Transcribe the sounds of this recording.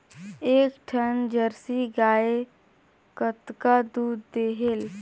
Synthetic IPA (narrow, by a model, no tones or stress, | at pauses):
eːkʈʰənd͡ʒəɾsiɡaːe | kət̪kad̪uːd̪ːeːɦel